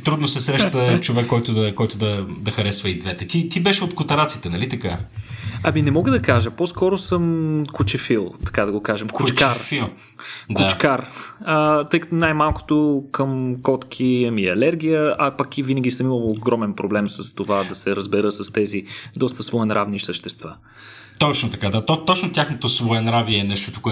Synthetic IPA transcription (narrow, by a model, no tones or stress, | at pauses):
t̪ɾud̪nosɛsɾɛʃt̪ət͡ʃovɛkːɔjt̪ʊd̪ɐkːɔjt̪ʊd̪ɐd̪ɐxɐɾɛsvɐid̪vɛt̪ɛt̪it̪ibɛʃɛot̪̚kʊt̪ɐɾat̪sit̪ɛnɐlit̪ɐka | ɐminɛmɔɡəd̪ɐkaʒəposkɔɾosɤmkut͡ʃɛfilˠt̪ɐ̥kad̪ɐɡokaʒɛmkʊt͡ʃaɾfilˠ | d̪ʊt͡ʃkaɾət̪ɤjkɐ̥t̪onajmalˠko̥t̪okəmkɔt̪k̟ʰimiɐlɛɾɡʲijəɐpɐkivinəɡʲisəmiməlˠoɡɾɔmɛnpɾoblɛmsəst̪ovad̪ɐsɛɾəzbɛɾɤsɐst̪ɛzid̪ɔst̪əsvoɛnɾʔavniʃsəʃt̪ɛst̪va | t̪ɔt͡ʃnot̪ɐkad̪at̪ot̪ɔt͡ʃnot̪jaxnot̪osvoɛnɾaviɛɛnɛʃt̪ot̪o̥koɛ